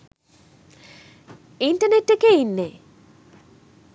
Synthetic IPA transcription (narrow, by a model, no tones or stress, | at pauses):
iɳʈɐneʈːekeinːe